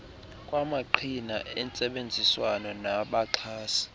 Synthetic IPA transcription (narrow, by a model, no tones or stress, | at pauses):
kʼwamaǃʰinaɛnt͡sʼɛɓend͡zʱiswanɔnaɓaǃʰaːsi̥